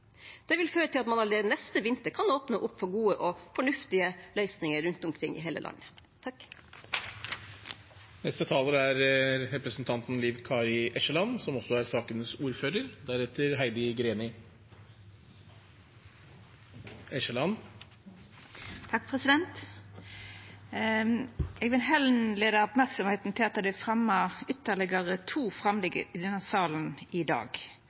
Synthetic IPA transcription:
d̪̥ɛʋɪlføːɾət̪ʰɪlɑt̪mɑnɑleːənɛst̪əʋɪnt̪əɾkʰɑnoːpnəʔʊpːfɔɡuːəʔɔfɔɳʉft̪ɪəlœʏsnɪŋəɾʉnt̪ɔmkʰɾɪŋːʔɪ̰ɦeːlə̰lɑ̰nːət̪ʰɑk | nɛst̪ət̪ʰɑːləɾəæɾɾɛpɾəsən̩t̪ʰɑnt̪n̩liːʋkʰɑːɾɪʔɛʃəlɑnsɔmɔsɔæɾsɑːkənəsuːɾføːɾəɾd̪æɾɛt̪ʰːəɾɦæɪd̪ɪɡɾeːnɪ | ɛʃəlɑn | t̪ʰɑk̚ːpʰʁɛsɪd̪ɛnt̪ | ɛɡʋɪlɦɛlnleːd̪ɑɔpmæʁksɔmheːt̪n̩t̪ʰɪlɑt̪d̪ɛfʁɛmːəʏt̪ːəɭɪɡəʁət̪ʰuːfʁɑmlɪɡə̰ɪd̪ɛnːəsɑːlənɪd̪ɑ̰ːɡ

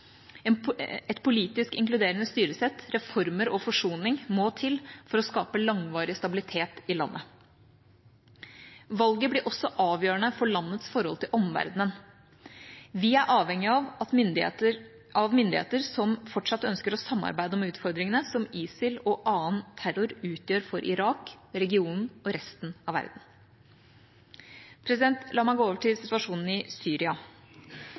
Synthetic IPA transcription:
ɛnɛt̪pʰʊliːt̪ɪskɪŋklʉd̪eːɾənəst̪yːɾəsɛt̪ɾɛfɔɾməɾɔfɔʂuːnɪŋmoːt̪ʰɪlfɔɾɔskɑːpəlɑŋʋɑːɾɪəst̪ɑbɪlɪt̪ʰeːt̪ɪlɑ̰nːʔə | ʋɑlɡəblɪʔɔsːɔʔɑːʋjøːəɳəfɔɭɑnːət̪sfɔɾhɔlt̪ɪlʔɔmʋæ̰ɾd̪nən | ʋɪæɾʔɑːʋhɛŋːɪɑʋ̪d̪ | ʔɑʋmʏnd̪ɪhḛːt̪əɾsɔmfɔʈʂɑt̪ːœnskəɾɔsɑmːɑ̰ɾbæɪd̪əɔmʉːt̪fɔɾd̪ɾɪŋənəsɔmiːsɪlɔʔɑːənt̪ʰæɾʊɾʉːt̪jøːɾfɔɾʔɪ̰ɾɑːkɾɛɡɪuːnn̩ɔɾɛst̪n̩ɑʋæ̰ɾd̪n̩ | pʰɾɛsɪd̪ɛnt̪lɑːmæɪɡoːoːʋəʈʰɪlsɪt̪ʋɑʂuːnn̩ɪsyːɾɪɑ

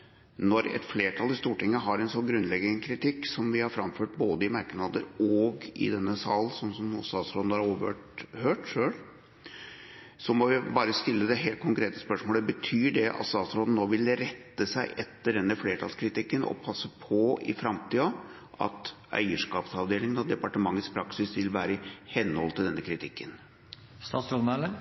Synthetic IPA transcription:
nɔɾɛ̰t̪fleːʈʰɑlɪst̪uːʈɪŋːəɦɑɾɛnsɔnɡɾʉnːlɛɡənkʰɾɪt̪ɪkːsɔmʋɪhɑɾfɾɑmføːʈ̚boːd̪əɪmæɾknɑd̪ə̰ɾɔɡɪ̰d̪ɛnːəsɑːlnsɔnːsɔmʊsɑsɾod̪nhɑɾoːʋəøʈhøːʈʂøːɭ | sɔmɔʋɪbɑːɾəst̪ɪlːəd̪ɛɦeːlt̪̚kʰʊŋkɾeːt̪əspœʂmoːləbət̪ʰyːɖɛʔɑ̰t̪st̪ɑːt̪sɾoːd̪n̩noːʋɪlɾɛt̪ːəsæɪʔɛt̪ːəɖɛnːəfleːʈʰɑlskʰɾɪt̪ɪkːənɔ̰pʰɑsːəpʰɔɪ̰fɾɑmt̪iːɑ | ʔɑ̰t̪ | œ̰ʏəʂkɑːpsɑʋd̪eːlɪŋənɑd̪ɛpɑʈəmɑŋːət̪spʰɾɑksɪsʋɪlʋæːɾəɪhɛnːəhɔlt̪ɪld̪ɛnːəkʰɾɪt̪ʰɪkːən | st̪ɑːsɾod̪n̩ælə

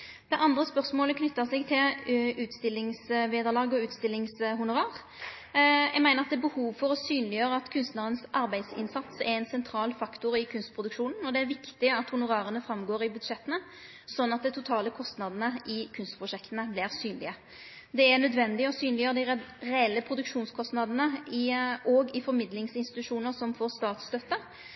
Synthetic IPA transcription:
d̪̥ɛʔɑnd̪ʁəspœʁsmoːləkʰnʏt̪ːəʁsɛɡt̪ʰɪlʉːt̪st̪ɪlːɪŋsʋeːd̪əʁlɑːɡɔʉːt̪st̪ɪlːɪŋsɦʊnʊʁɑːʁ | jɛɡmæɪəʁɑt̪d̪ɛæbəhuːʋfɔʁɔsyːnlɪjøːɾəɑt̪kʰʉnst̪nɑd̪ənsʔɑɾbæɪd̪sɪ̰nsɑt̪sɛɪnsɛnt̪ʰɾɑːlfɑkt̪ʊɾɪkʰʉnst̪̚pʰʁʊd̪ʉkʂuːnn̩ɔd̪ɛæɾʋɪkt̪ɪɑt̪hʊnʊʁɑːʁənəfɾɑmɡoːɾɪbʉd̪ʂɛt̪ːənə | sɔnːɑt̪̚d̪ɛɪt̪ʰʊt̪ʰɑːləkʰɔst̪nɑd̪ənəʔɪkʰʉnst̪pʰɾʊʂɛkt̪ənəblɪʁsyːnlɪ̰ə | d̪ɛænœd̪ʋɛnd̪ɪɔsyːnlɪjøːɾəd̪ɪʁɛɛlːəpʰɾʊd̪ʉkʂuːnskʰɔst̪nɑd̪ənəɪʔɔːɡɪfɔɾmɪd̪lɪŋsɪnst̪ɪt̪ʉʂuːnəɾsɔmfoːʁst̪ɑːt̪st̪œt̪ːə

